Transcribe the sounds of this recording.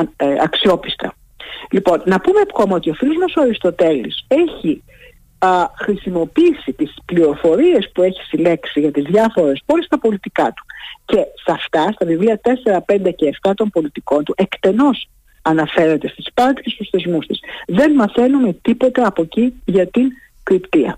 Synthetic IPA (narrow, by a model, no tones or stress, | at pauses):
ɐksio̞pist̪ɐ̰ | lipo̞nːɐpumepxomot̪io̞filozmosoɐɾist̪o̞t̪e̞lḭse̞çi | xɾisimo̞piisit̪ispliɾo̞fo̞ɾie̞spue̞çi̥sileksiʝɐt̪izðʝɐfo̞ɾe̞spo̞list̪ɐpo̞lit̪ikɐt̪u̥ce̞sɐft̪ɐst̪ɐvivliɐt̪e̞se̞ɾɐpe̞nd̪e̞ce̞ːft̪ɐt̪o̞mpo̞lit̪iko̞nt̪uʔe̞kt̪e̞no̞s | ɐnɐfe̞ɾet̪e̞st̪ispɐnd̪i̥sist̪usθe̞zmust̪isðe̞nmɐθe̞nume̞t̪ipo̞t̪eɐpo̞ciʝɐt̪iŋ | kɾipt̪iɐ̰